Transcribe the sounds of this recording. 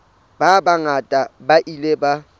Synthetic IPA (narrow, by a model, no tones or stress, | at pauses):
b̥abaŋatʼabaʔileba